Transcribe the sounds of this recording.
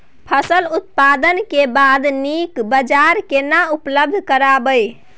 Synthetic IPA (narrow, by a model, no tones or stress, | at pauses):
pʰəsəlut̪̚pad̪ənkebad̪nikbəd͡ʒaɾkenaupləb̚d̪ʱkəɾabəj